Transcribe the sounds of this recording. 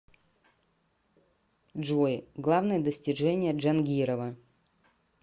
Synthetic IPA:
ʐojɡlˠavnɨjəd̪əsʲtʲɪʐɛnʲɪjəʐɐnɡʲiɾəvə

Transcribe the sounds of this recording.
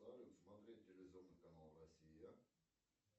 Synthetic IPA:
aɾʲʊt̪smɐt̪ɾʲet̚ʲːelʲezovnɨkɐnalˠrɐsʲija

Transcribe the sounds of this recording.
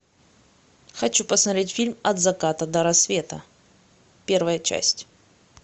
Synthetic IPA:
xɐt͡ɕupəsmɐt̪ɾʲetʲfʲilʲmɐd̪zɐkat̪əd̪əɾɐsvʲe̞t̪ə̰ | pʲervəjət͡ɕæ̰sʲtʲ

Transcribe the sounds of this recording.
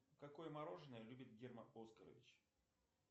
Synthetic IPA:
kɐko̞jəmɐɾo̞ʐɨnəjəlʲubʲɪt̪̚ɡʲerməoskəɾə̰vʲɪt͡ɕ

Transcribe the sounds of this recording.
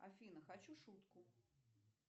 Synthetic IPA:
a̰fʲinɐxat͡ɕuʂut̪ku

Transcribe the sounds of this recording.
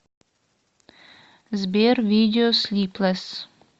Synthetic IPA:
zbʲervʲid̪ʲeoslʲiːplˠas

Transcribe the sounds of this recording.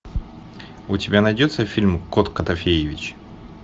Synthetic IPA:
ʊtʲɪbʲanɐjdʲo̞t̪səfʲilʲmkot̪kət̪ɐfʲejɪvʲɪt͡ɕ

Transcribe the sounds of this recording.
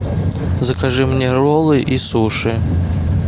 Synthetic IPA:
zɐkaʐɨmnʲɛɾɔlˠɨʔisuʂɨ

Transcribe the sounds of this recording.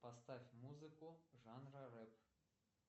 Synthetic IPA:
pɐst̪afʲmuzɨkuʐɑnrɐɾɛp

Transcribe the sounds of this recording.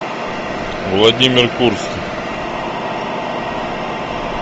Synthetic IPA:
vlˠɐd̪ʲimʲɪrkuɾskʲi

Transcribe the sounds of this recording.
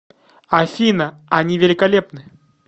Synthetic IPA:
ɐafʲinə | ɐnʲivʲɪlʲɪkɐlʲepnɨ

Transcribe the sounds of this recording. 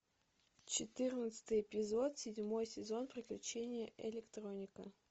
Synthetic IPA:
t͡ɕɪt̪ɨrnət̪sɨ̥t̪ɨjɪpʲɪzo̞t̪sʲɪdʲmo̞jsʲɪzo̞npɾʲɪklʲʉt͡ɕenʲɪjəʔɪlʲɪkt̪ɾo̞nʲɪkə

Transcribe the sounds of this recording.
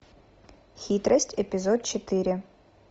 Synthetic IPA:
xʲit̪ɾʔɐsʲtʲepʲizɔd̪̚t͡ʃet̪ɪɾʲɪ

